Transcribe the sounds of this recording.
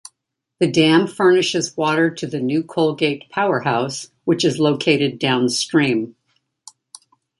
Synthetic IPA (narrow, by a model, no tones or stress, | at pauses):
ðɨdæ̃mfɜ˞nɨʃɨzwɔɾə˞ɾɨðɨnʉkʰoʊlˠɡeɪt̚pʰaʊə˞haʊs | wɨt͡ʃɨzloʊkʰeɪɾɨdãʊ̃nstɹ̥ĩm